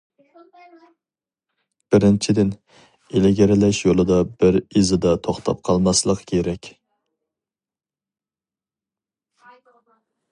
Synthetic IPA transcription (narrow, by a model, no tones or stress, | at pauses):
b̥ɪɾɪnt͡ʃʰid̪ɪn | elɪɡʲeɾɪlɛʃjolˠɨd̪ɑbɪɾizɨd̪ɑt̪ʰoχt̪ʰɑ̰p̚qʰɑlˠmɑslˠəqkʲʰeɾɛkʲ